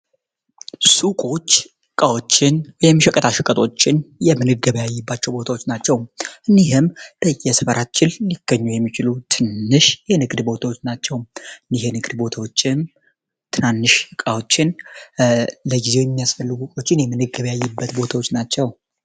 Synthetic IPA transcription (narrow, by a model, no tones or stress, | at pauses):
sukʼo̞t͡ʃː | ɨkʼawo̞t͡ʃːɪnwɔjɛmːiʃɛkʼət̪ʰaʃɨkʼət̪ʰʼo̞t͡ʃːɪnjɛmɨnɨɡəβjajːɨbːat͡ʃːɛwbo̞t̪ʰawo̞t͡ʃːnat͡ʃːɛwʔɨnːiɦɨmd̪̥əjɛsɨfəɾʔat͡ʃːɪlliɡ̥əɲːujɛmːit͡ʃɪlut̪ʰɨnːɨʃjɛnɨɡd̪bo̞t̪ʰawot͡ʃːnat͡ʃːɛwmɨnːihenɨɡd̪bo̞t̪ʰawo̞t͡ʃːɪn | t̪ʰɨnanːɨʃɨkʼawot͡ʃːɪn | ləɡizewjɛmːijasfəlːɨɡukʼo̞t͡ʃːɪnjɛmɨnɨɡːəβjajːɨbːət̪bo̞t̪ʰawo̞t͡ʃːnat͡ʃːɛw